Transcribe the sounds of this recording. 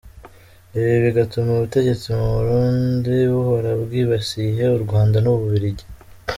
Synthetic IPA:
eβiβiɡatumuβute̞ɟe̞t͡simuβuɾuːndiβuho̞ɾabɡiːβasiɦe̞uɾɡwaːndanuβuβiɾiɟi

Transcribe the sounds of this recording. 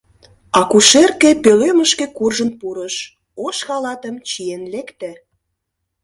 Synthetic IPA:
ɑkuʃerkepøløməʃkĕkurʒə̆npuɾəʃ | oʃxɑlɑt̪əmt͡ɕienlekt̪ĕ

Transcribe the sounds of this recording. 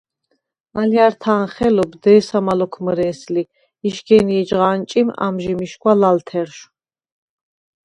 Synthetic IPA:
aljaɾt̪ʰaːnχɛlɔbd̪ɛːsamalɔkʰməɾɛːsli | iʃɡɛniɛd͡ʒʁaːnt͡ʃʼima̰mʒimiʃkʼwalalt̪ʰɛɾʃ

